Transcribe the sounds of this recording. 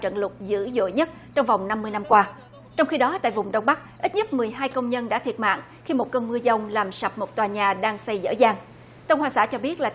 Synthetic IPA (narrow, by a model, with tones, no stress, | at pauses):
t͡ɕə̰˧˨nlʊ˨˩k͡p̚zɨ̰˧˥zo̰˧˨jɲə˦˥t̚t͡ɕɔ˧wŋ͡mva˨˩wŋ͡mna˧mːɨ˧əjna˧mkwaː˧ | t͡ɕɔ˧wŋ͡mxi˧ɗɔ˨˦t̪a̰ː˧˨jvʊ˨˩ŋ͡mɗə˧wŋ͡mɓa˦˥k̚ʔi˦˥t̚ɲə˦˥t̚mɨ˨˩əjɦaː˧jkə˧wŋ͡mɲə˧nɗa̰ː˧˥t̪ʰi˨˩ət̚ma̰ː˧˨ŋ | xi˧mo˨˩t̚kə˧nmɨ˧zə˧wŋ͡mlaː˨˩msə˨˩p̚mo˨˩t̚t̪waː˨˩ɲaː˨˩ɗaː˧ŋsa˧jzə̰ː˧˥zaː˧˩ŋ | k̪ə˧wŋ͡mhwaː˨˩sa̰ː˧˥t͡ɕɔ˧ɓi˦˥ət̚laː˨˩